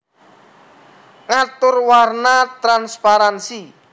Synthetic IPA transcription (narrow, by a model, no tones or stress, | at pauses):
ŋat̪ʊrwarnat̪ɾanspaɾansi